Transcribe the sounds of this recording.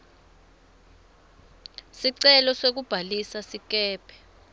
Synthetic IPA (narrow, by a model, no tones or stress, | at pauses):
siǀɛlɔsok̬ub̥ʱalisasik̬ɛːpʰɛ̥